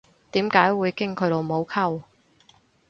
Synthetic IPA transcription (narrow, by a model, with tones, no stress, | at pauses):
t̪iː˨˥mkaː˨˧˥jwuː˨˧jkɪ˥ŋkʰɵ˨˧jlo˨˧wmo˨˧wkʰɐ˥w